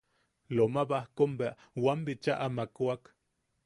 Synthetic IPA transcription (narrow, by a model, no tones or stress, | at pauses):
lomaβahkombeaʔ | wambit͡ʃaʔamakwak